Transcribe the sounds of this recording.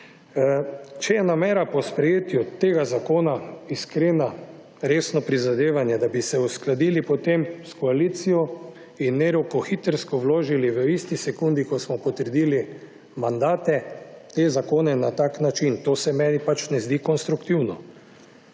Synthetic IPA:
t͡ʃɛjɛnamɛːɾapɔspɾɛjeːt̪jut̪eːɡazakoːnaiskɾeːna | ɾeːsnɔpɾizad̪eːʋanjɛd̪abisɛusklad̪iːlipɔt̪emskɔaliːt̪sijɔ | inːeɾukɔxit̪əɾskɔʋloːʒiliʋəist̪isɛkund̪ikɔsmɔpɔt̪əɾd̪iːli | mand̪aːt̪ɛt̪ezakoːnɛnat̪aːknat͡ʃint̪oːsɛmɛːnipat͡ʃnɛzd̪iːkɔnst̪ɾukt̪iwnɔ

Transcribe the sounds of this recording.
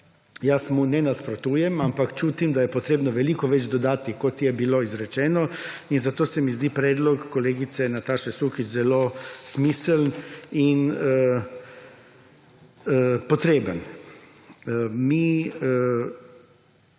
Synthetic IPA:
jasmunɛnaspɾot̪uːjɛmampakt͡ʃuːt̪imd̪ajɛpot̪ɾeːbnɔʋɛlikɔʋɛd͡ʒd̪ɔd̪aːt̪ikot̪jɛbiloizɾɛt͡ʃɛːnɔinzat̪oːsɛmizd̪iːpɾɛːd̪lɔkːoleːɡit̪sɛnat̪aːʃɛsukit͡ʃzɛloːsmisəlninə | pɔt̪ɾeːbən | miə

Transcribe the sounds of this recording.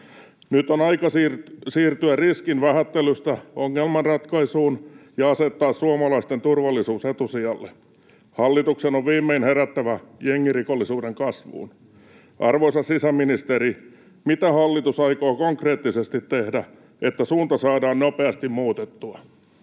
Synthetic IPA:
nyt̪onɑikɑsirsiːrt̪yærriskinʋæhæt̪ːelyst̪æoŋːelmɑnrɑt̪kɑisuːnjɑɑset̪ːɑːssuɑmɑlɑist̪ent̪urʋɑlːisuːset̪usiɑlːe | hɑlːit̪uksenoʋʋiːmːeinheɾæt̪ːæʋæjeŋːirikolːisuːdeŋkɑsʋṵːn | ʔɑrʋoisɑssisæminist̪eɾi | mit̪æhɑlːit̪usɑikoːkoŋkreːt̪ːisest̪it̪tehdæ | et̪ːæsuːnt̪ɑsɑːdɑːnnopeɑst̪immuːt̪et̪ːuɑ

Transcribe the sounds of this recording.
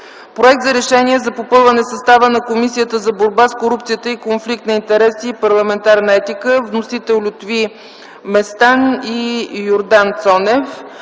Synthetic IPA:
pɾoɛk̚t̪zɐɾɛʃɛniɛzɐpopɤlˠvənɛsɐst̪avənɐkomisijət̪əzɐboɾbaskoɾupt̪sijət̪əikonflik̚t̪nɐint̪ɛɾɛsiːpɐɾlˠɐmɛnt̪aɾnəɛt̪ikəvnosit̪ɛlˠlʲʊt̪vi | mɛst̪anijoɾd̪ant̪sɔnɛf

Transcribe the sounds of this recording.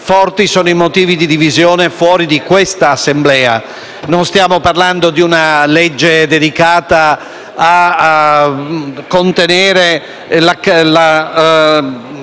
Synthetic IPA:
fɔrt̪isoːnoimot̪iːvid̪id̪ivizjoːnefwɔːɾid̪ikwest̪aːsːemblɛːa̰ | nonst̪jaːmoparland̪od̪iunaled͡ʒːed̪ed̪ikaːt̪a | a | kont̪eneːɾe | lakla

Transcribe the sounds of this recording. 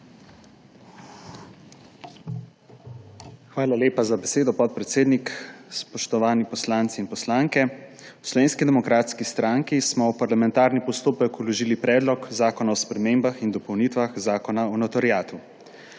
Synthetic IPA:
xʋaːlaleːpazabɛseːd̪ɔpɔt̪̚pɾɛt̪seːd̪nikspɔʃt̪ɔʋaːnipɔslaːnt̪siːnpɔslaːŋkɛwslɔʋeːnskid̪ɛmɔkɾaːt̪skist̪ɾaŋkismɔwpaɾlamɛnt̪aːɾnipɔst̪oːpəkulɔʒiːlipɾɛːd̪lɔkzaːkɔnaɔspɾɛmembaxind̪ɔpɔwniːt̪ʋaxzaːkɔnaɔnɔt̪ɔɾijaːt̪u

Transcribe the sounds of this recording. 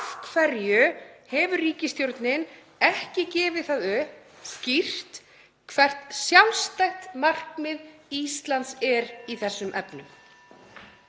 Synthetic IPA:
fkʰfɛɾjʏhɛvʏriːcɪst̪jowɾt̪nɪn | ɛhcɪcɛːvɪθaðʏ | scir̥t̪ | kʰvɛr̥t̪sjawnst̪ajxt̪mar̥kmɪðist̪lant̪sɛɾiθɛsːʏmʔɛpnʏm

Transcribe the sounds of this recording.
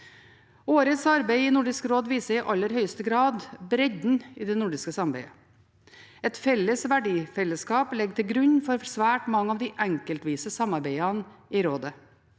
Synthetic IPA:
oːɾət̪sɑɾbæɪɪnʊɖɪskɾoːd̪ʋiːsəɾɪʔɑlːəɾhœʏəst̪əɡɾɑːd̪bɾɛɟ̪n̩ɪːd̪ɛnʊɖɪskəsɑmbæɪə | ɛt̪fɛlːəsʋæɖiːfɛlːəskɑːplɛɡt̪ɪlɡɾʉɲfɔɾsʋæːʈmɑŋːəɑʋd̪ɪʔæŋkəlt̪ʋiːsəsɑmɑɾbæɪɑnɪɾoːd̪ə

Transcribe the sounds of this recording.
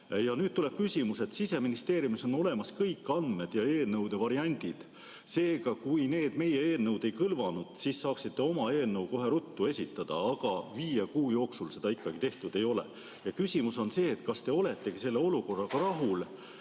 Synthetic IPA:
jɑnyːd̥̪̚t̪ule̞b̥̚kysʲimuse̞t̪sise̞minist̪e̞ːɾjumiso̞no̞le̞mɑskɤjkːɑnd̪̥me̞d̪̥jɑe̞ːlnɤwd̪e̞vɑɾiɑnʲd̪̥id̪̥ | se̞ːɡ̥ɑkujneːd̪̥me̞jeeːlnɤwd̪e̞jkɯlvɑnud̪̥siːsːɑːksit̪ːe̞o̞mɑe̞ːlnɤwko̞ɦe̞ɾut̪ːue̞sʲit̪ːˑɑd̪̥ɑ̰ɑɡ̥ɑviːjekuːjo̞ːksulse̞d̪̥ɑikːɑɡ̥it̪e̞ht̪ud̪̥e̞jo̞lḛ | jɑkysʲimuso̞nse̞ːt̪kɑst̪e̞o̞le̞t̪ːˑe̞ɡ̥ise̞lːe̞o̞luko̞rːɑɡ̥ɑɾɑɦul

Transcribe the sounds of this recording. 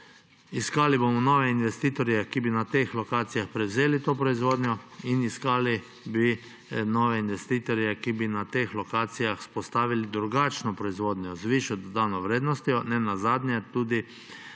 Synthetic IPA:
iskaːlibomɔnɔːʋɛinʋɛst̪iːt̪ɔɾjɛkibinat̪eːxlɔkaːt̪sijaxpɾɛwzeːlit̪oːpɾɔizʋoːd̪njɔiniskaːli | bi | nɔːʋɛinʋɛst̪iːt̪ɔɾjɛkibinat̪eːxlɔkaːt̪sijaxspɔst̪aːʋilid̪ɾuɡaːt͡ʃnɔpɾɔizʋoːd̪nʲjɔzʋiʃɔd̪ɔd̪awnɔʋɾeːd̪nɔst̪jɔnɛnazaːd̪njɛt̪uːd̪i

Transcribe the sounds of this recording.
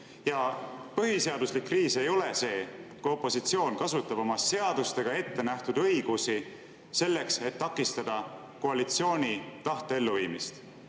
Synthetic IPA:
jɑpɤɦise̞ɑd̪uslikːriːse̞jo̞le̞se̞ːkuo̞pːˑo̞sit̪sio̞ːnkɑsut̪ːˑɑb̥o̞mɑse̞ɑd̪ust̪e̞ɡ̥ɑe̞t̪ːe̞næht̪ud̪̥ɤ̞ijɡ̥usi | se̞lːe̞kse̞t̪ːɑkːˑist̪ɑd̪̥ɑ | ko̞ɑlit̪sio̞ːnʲit̪ɑht̪ee̞lːuviːmist̪

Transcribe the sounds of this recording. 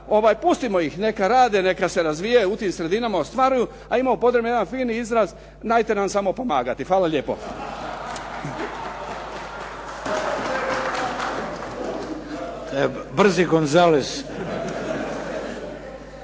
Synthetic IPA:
o̞ʋaːjpust̪imojixne̞kaɾaːd̪ene̞kase̞ɾazʋijajut̪iːmsɾe̞d̪inamaost̪ʋaɾuju | aimaopo̞t̪ɾe̞bnejeanfiːniizɾaz | naːjt̪enamsamo̞pomaːɡat̪ifʋaːlaʎeːpo̞̰ | t̪ojebr̩ziɡonzalis

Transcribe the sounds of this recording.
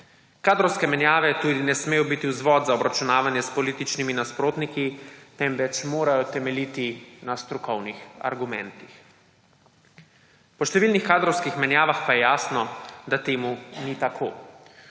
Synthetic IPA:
kaːd̪ɾɔwskɛmɛnjaːʋɛt̪uːd̪inɛsmeːjɔbit̪iwzʋɔːd̪zaɔbɾat͡ʃunaːʋanjɛspɔliːt̪it͡ʃniminaspɾoːt̪nikit̪ɛmʋɛt͡ʃmoːɾajɔt̪ɛmɛliːt̪inast̪ɾukɔwnixa̰ɾɡumɛ̰nt̪ix | pɔʃt̪ɛʋiːlnixkaːd̪ɾɔwskixmɛnjaːʋaxpajɛjaːsnɔd̪at̪eːmunit̪akʰoː

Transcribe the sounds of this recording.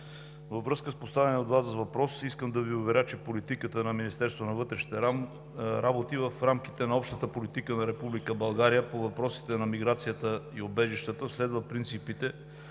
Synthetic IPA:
vəvɾɤskəspost̪avʲɛnɛod̪vazzɐvɐpɾɔsiskəmd̪ɐviʊvɛɾʲat͡ʃɛpolit̪ikət̪ənɐminist̪ɛɾst̪vonɐvɤt̪ɾɛʃi̥t̪ɛa | ɾabot̪ivəfɾamk̟it̪ɛnɐɔpʃt̪ət̪əpolit̪ikənɐɾɛpublikəbɐlˠɡaɾijəpovɐpɾɔsi̥t̪ɛnɐmiɡɾat̪sijət̪əiobɛʒiʃt̪ət̪əslɛd̪vəpɾint̪sipit̪ɛ

